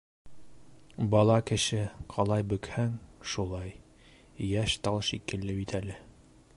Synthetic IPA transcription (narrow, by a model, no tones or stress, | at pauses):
bɒlˠɑkɘ̆ʃɘqʰɑlˠɑjbɵ̆khæŋʃulˠɑj | jæʃt̪ɑlˠʃikɘ̆lːɘbit̪ʰælɘ